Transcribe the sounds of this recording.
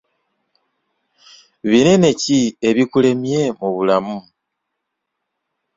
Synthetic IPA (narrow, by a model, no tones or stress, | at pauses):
βinene̞cieβikule̞mjemuβulamu